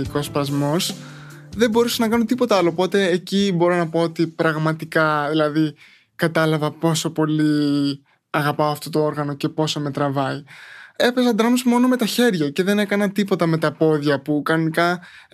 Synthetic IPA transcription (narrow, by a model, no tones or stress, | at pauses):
ko̞spɾɐzmo̞s | ðe̞bo̞ɾusɐnɐkɐnot̪ipo̞t̪ɐɐlo̞ːpo̞t̪e̞ːcibo̞ɾo̞nɐpoot̪ipɾɐɣmɐt̪ikɐðilɐði | kɐt̪ɐlɐvɐpo̞so̞po̞li | ɐɣɐpɐoɐft̪o̞t̪o̞o̞ɾɣɐno̞ce̞po̞so̞me̞t̪ɾɐvɐie̞pe̞sɐd̪ɾɐmozmo̞no̞me̞t̪ɐçe̞ɾʝɐce̞ðe̞ne̞kɐnɐt̪ipo̞t̪ɐme̞t̪ɐpo̞ðʝɐpukɐnonikɐ